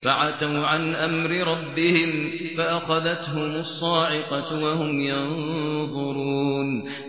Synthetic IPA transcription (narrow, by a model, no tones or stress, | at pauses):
faʕat̪awʕanʔamɾɪɾˤɑbːɪhɪmfaʔaxɑðat̪ɦʊmʊsˤːɑːʕɪqɑwahʊmjanðˤʊɾuːn